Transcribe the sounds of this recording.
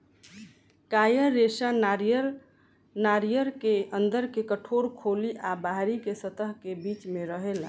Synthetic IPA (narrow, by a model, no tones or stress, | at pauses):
kajəɾːesanaɾjəɾ | naɾijəɾkeənd̪əɾkekəʈʰoɾkʰoliʔabaɦɾikesət̪əɦkebit͡ʃmeɾəɦel